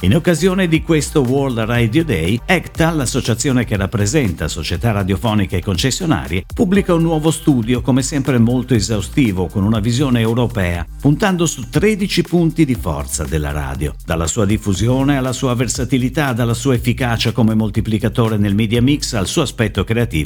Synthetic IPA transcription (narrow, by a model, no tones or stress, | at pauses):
inokːazjoːned̪ikwest̪oword̪rajd̪jod̪ɛjɛkt̪alːasːot͡ʃat̪sːjoːnek̟erːapːɾezɛnt̪a̰sot͡ʃet̪arːad̪jofɔːnikaekːont͡ʃesːjona̰ːɾjepubːlikaunːwɔːvost̪uːd̪jokomesɛmpɾemolt̪oezawst̪iːvokonunavizjoːneːwɾopɛːapunt̪and̪osut̪ɾɛd̪it͡ʃipunt̪id̪ifɔ̰rt̪sa̰d̪elːa̰ɾa̰ːd̪jo̰d̪̥alːasuːad̪ifːuzjoːnealːasuːaversat̪ilit̪ad̪alːasuːaefːikaːt͡ʃakomemolt̪iplikat̪oːɾenelmid̪jamiksalsuːoaspɛt̪ːokɾeat̪ḭːvo